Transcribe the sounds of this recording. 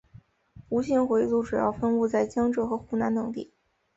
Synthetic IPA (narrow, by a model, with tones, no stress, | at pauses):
u˧˥ɕi˥˩nxwe˧˥ɪt͡su˥˩ʈ͡ʂu˨˩jɑ̰˥˧ʊfə˥nu˥˧t͡sa˥˩ɪt͡ɕjɑ˥ŋʈ͡ʂɤ˥˩xɤ˧˥xu˥˩na˧˥nt̪ɤ˨˩ŋt̪ḭ˥˩˦